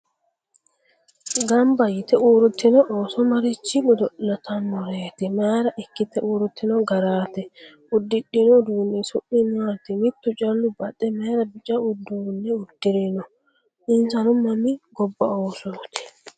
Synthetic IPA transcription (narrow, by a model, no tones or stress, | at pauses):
ɡɐmbɐjɪt̪ɛʔuːɾʊt̪ːɪnɔʔoːsɔmɐɾɪt͡ʃːɪɡʊd̪ɔʔlɐt̪ɐnmɔɾeːt̪ɛmeːɾɐʔɪkːɪt̪ɛʔuːɾʊt̪ːɪnɔɡɐɾaːt̪ɛ | ʊd̪ːɪɗːɪnɔd̪uːnːɛsʊʔɪnaːt̪ɪmɪt̪ːʊt͡ʃʼɐlːʊbɐɗʼːɛmeːɾɐbɪt͡ʃʼɐʊd̪uːnːɛʊd̪̥ːɪɾɪnɔ | ʔɪnsɐnʊmːɐmɪɡɔbːɐoːsoːt̪ʰɛ̥